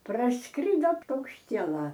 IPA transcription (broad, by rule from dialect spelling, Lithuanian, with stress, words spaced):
prɐsˈkrʲɪdoː pɐʊkʃʲˈtʲiɛlˠɐ